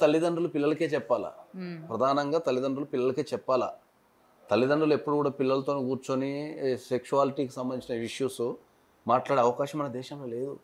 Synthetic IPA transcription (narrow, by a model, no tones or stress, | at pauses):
t̪ɐlːid̪ɐɳɖulupilːɐlɐke̞ːt͡ʃɛpːaːla̰pɾɐd̪ʱaːnɐŋɡaːt̪ɐlːid̪ɐɳɖulupilːɐlɐke̞ːt͡ʃɛpːaːla̰ | t̪ɐlːid̪ɐɳɖulue̞pːuɽukuːɽaːpilːɐlɐt̪oːnɡuːɾt͡ʃonisekʃuaːliʈiːki̥sɐmbɐnit͡ʃinɐiʂjuːsu | maːʈlaːɽeɐʋɐkaːʃɐmɐnɐd̪ɛːʃɐmloːle̞ːd̪u